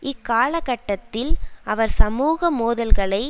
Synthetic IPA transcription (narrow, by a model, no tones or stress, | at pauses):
ʔɪkːaːɭɐɣɐʈːɐt̪ːɪlʔɐʋɐɾsɐmuːɣɐmoːðɐlɣɐɭɐɪ